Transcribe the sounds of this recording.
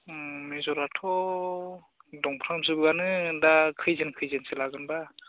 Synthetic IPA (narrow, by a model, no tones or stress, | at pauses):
mezɔɾatʰɔ | dɔŋpʰɾamsɯbɯɡanɯɯndakʰɯjzenkʰɯjzenselaɡɯnba